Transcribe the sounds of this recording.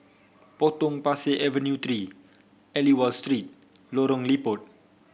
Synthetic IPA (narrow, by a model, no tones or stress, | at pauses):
pot̪ʊŋpaseʔɛvənjut̪ɾi | ɛliwalst̪ɾit̪̚ | loɾʊŋlibʊt̪̚